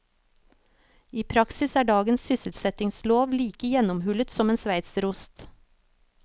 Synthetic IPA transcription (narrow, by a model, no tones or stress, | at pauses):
iːpʰɾɑksɪsæːɖɑːɡənssʏsət̪sɛt̪ɪŋsloːʋliːkəjɛnɔmhʉlət̪sɔmeːnsʋæɪt̪sɾʊst̪